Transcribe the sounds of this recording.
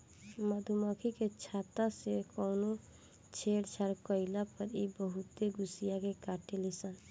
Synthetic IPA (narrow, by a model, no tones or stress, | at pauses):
məd̪ʱuməkʰiket͡ʃʰat̪asekɔwno | t͡ʃʰeɽt͡ʃʰaɾkəɪlapəɾibəɦut̪eɡusijakekaʈelisən